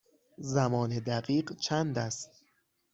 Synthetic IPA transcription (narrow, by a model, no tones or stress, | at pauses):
zæmɒːne̞d̪æɢiːɢt͡ʃʰænd̪æst̪